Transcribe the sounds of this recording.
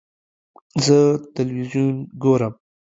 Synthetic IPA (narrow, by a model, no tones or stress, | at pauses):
zət̪ɪlwizjunɡoɾəm